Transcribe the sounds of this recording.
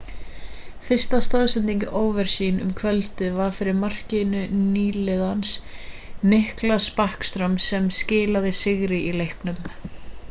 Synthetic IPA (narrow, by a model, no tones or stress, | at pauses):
fɪr̥st̪ast̪aðsɪnt̪iɲcɪʔoːwvɛɾ̥siːnʏ̰mkʰvɛlt̪ɪvaɾ̥fɪɾɪɾmar̥cɪnʏniːlɪðansnɪhklaspahkst̪ɾœmsɛmscɪːlaðɪsɪɣɾɪilejhknʏm